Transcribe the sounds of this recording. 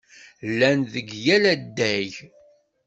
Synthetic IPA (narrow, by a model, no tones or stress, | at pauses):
lːænðəɡjælæd̪ːæʝ